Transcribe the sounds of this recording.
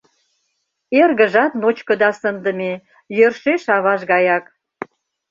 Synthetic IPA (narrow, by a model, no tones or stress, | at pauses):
erɣə̆ʒɑt̪not͡ɕkə̆d̪ɑsənd̪ə̆me | jørʃeʃɑβɑʃɣɑjɑk